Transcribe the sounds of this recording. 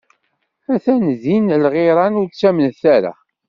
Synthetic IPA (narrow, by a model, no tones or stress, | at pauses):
æθænðinlʁɪɾˤɑnʊɾt͡sːæmənθæɾa̰